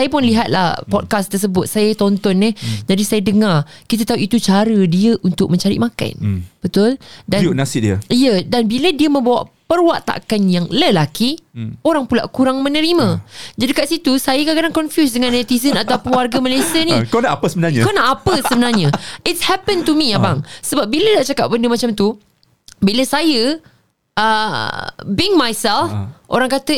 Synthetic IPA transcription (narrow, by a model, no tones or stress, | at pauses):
sajap̬ʊnliɦat̪̚la̰hpɔd̚kast̪ərs̬əbʊt̪̚sajət̪ɔnt̪ɔnːid͡ʒadisajadəŋarkit̪at̪aɦuʔit̪ut͡ʃaɾədiəʔunt̪ʊk̚mə̃ɲt͡ʃaɾḭʔmaka̰nb̥ət̪ʊldannasɪʔdiaijədanbilədiəmə̃mbawa̰ʔpərwaʔt̪a̰ʔkanjaŋləlakioɾaŋpula̰ʔkuɾaŋmənəɾimãd͡ʒadikaʔsit̪usajəkaʔkadaŋkɔnfjus̬dəŋãnːɛt̪isənat̪awpʊnwarɡamalajsiənikanaʔapəsəbənaɲakanaʔapəsəbənarɲaɪtshɛpənt̪umijabaŋsəbap̚bilədaʔt͡ʃakap̚bəndəmat͡ʃamt̪u | biləsajə | ʔə̰ | biŋmajsɛlfʔo̰ɾaŋkat̪ə